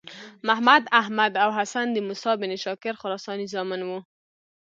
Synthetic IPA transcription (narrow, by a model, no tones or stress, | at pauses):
mahmad̪ahmad̪awɦasand̪əmusɑbɪneʃɑkɪɾxʊɾɑsɑnizɑmɪnwu